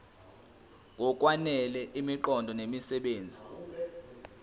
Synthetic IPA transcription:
k̬ɔk̬ʼwanɛlɛʔimiǃɔndʱɔnemisɛɓeːnd͡zʱi

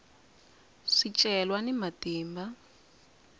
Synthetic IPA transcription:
ʂit͡ʃʼɛlwanimatiːmba

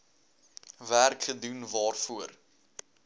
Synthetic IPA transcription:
værkχədunvɑːrfuər

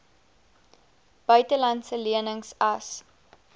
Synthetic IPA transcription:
b̥œɥtəlɐntsəliənəŋsɐs

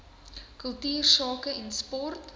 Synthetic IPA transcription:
kəlˠtyːrsɑːkəɛnspɔrt

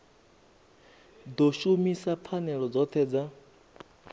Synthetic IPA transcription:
d̪ɔʃumisap̪ʰanɛɺɔd͡zɔt̪ʰɛːd͡za

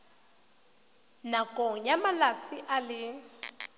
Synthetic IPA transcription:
nakʼɔɲamalat͡sʰiʔalɪ

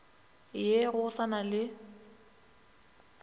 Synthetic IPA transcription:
jeɣʊʊsanalɪ

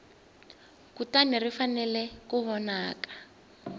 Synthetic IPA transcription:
kutanirifanɛlɛkuβɔnaːkḁ

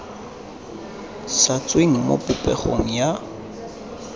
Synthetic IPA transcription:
sat͡sʼweŋ̩mo̰pʼʊpʼɛ̰χo̰ŋ̩ja

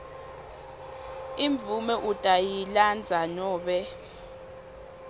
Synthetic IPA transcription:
iɱb̪vumɛʔutʼajiland͡zʱanɔːɓɛ

